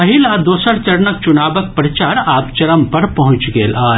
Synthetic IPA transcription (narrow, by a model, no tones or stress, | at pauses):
ɐɦilad̪oːsəɾt͡ʃɐɾnək̚t͡ʃunaːbək̚pɾət͡ʃaːɾaːpt͡ʃɐɾəmpɐɾpɐɦʊ̃t͡ʃɡeːlʔaː